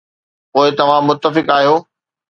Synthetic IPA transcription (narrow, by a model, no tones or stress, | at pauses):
poːɪt̪ɐʋ̤ãmʊt̪ːəfɪkaːɦijoː